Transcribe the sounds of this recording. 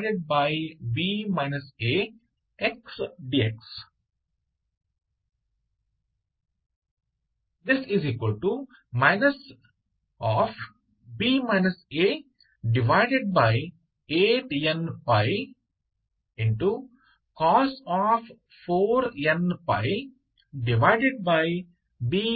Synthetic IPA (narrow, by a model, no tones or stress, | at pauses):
ɖeɖ̚baɪbiːmaɪnəseː | eksɖiːeks | d̪ɪsɪziːkwəlʈu | maɪnəs | ɔːf | biːmãɪnəseː | ɖɪʋaɪɖeɖ̚baɪ | eːʈjɐ̃npaɪ | ɪ̃ɳʈu | kɔːsɔːf | foːɾjɐ̃npa̰ɪ | ɖɪʋaɪɖeɖ̚baɪ | biː